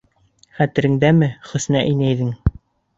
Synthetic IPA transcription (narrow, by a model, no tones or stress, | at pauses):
χæt̪ɘ̆ɾɘ̆ŋd̪æmɘχɵ̆snæʔinæjðɘŋ